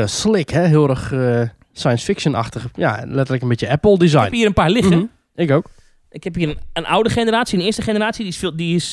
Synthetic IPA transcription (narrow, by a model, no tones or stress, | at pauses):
slɪkhɛɦɪəlˠɾəx | sajə̃nsfɪkʃəna̰xtəxəja̰lɛtərləkənbitjəɛpl̩ˠdizaɛjphiəɾənpaːɹlɪxə | ɪkowk | ʔɪkhɛphiːɾənənʔawdəxenəraːsjiənɪəstəxenəraːsjididiɪs